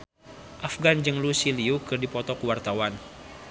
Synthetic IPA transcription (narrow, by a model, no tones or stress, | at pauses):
ʔafɡand͡ʒəŋlusiliukɨrdipɔt̪ɔkuwart̪awan